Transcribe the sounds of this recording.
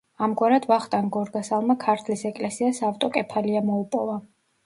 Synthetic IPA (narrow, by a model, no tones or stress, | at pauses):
amɡwaɾad̪vaχt̪ʼanɡɔɾɡasalˠmakʰaɾt̪ʰlisɛkʼlɛsiasaft̪ʼɔkʼɛpʰaliamɔupʼɔva